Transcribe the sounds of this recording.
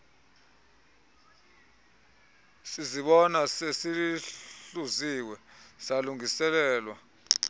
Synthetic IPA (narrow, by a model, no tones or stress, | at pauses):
siziɓɔnasesiliɬuziwɛsaluŋisɛlɛːlwa